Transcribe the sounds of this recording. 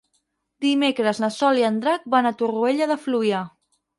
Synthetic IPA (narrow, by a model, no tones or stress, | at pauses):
d̪imekɾəznəsɔliənd̪ɾak̚banət̪urueʎəðəfluja